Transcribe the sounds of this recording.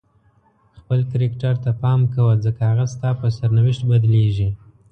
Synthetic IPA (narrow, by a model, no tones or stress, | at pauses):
xpəlkɾekʈaɾt̪apɑmkawəzəkahaɣast̪ɑpəsaɾnawɪʃt̪̚bad̪leʒi